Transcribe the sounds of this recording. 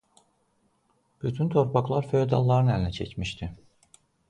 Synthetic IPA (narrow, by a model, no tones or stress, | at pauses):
b̥yt̪ʰynt̪ʰoɾpʰaklˠɑɾfød̪ɑ̰lˠːɑɾɯnælʲinɛcʰɛ̰cmiʃt̪ʰi